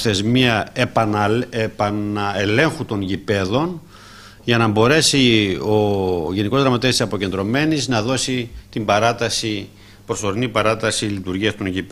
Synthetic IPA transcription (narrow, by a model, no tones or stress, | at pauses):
θe̞zmiɐpɐepɐnɐele̞ŋxut̪o̞nʝipe̞ðo̞n | ʝɐnɐbo̞ɾe̞sioʝe̞niko̞zðɾɐmɐt̪esisɐpo̞ce̞nd̪ɾo̞me̞niznɐðo̞sit̪imbɐɾɐt̪ɐsi | pɾo̞so̞ɾinipɐɾɐt̪ɐsilit̪uɾʝiɐst̪onʝip